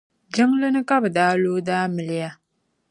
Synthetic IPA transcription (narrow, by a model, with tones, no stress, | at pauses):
d͡ʒɪ˦ŋlɨ˦nɨ˦ka˦bɨ˨daː˦loː˦daː˦mɨ˨lɪ˦ja˦